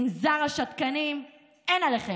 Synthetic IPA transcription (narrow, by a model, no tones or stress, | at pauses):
mzaʁaʃat̪kanim | enaleχe